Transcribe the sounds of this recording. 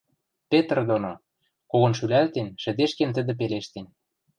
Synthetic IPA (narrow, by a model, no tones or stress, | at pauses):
pet̪rd̪ono | koɣŏnʃylælt̪enʃɘ̆d̪eʃkent̪ə̆d̪ĕp̬eleʃt̪en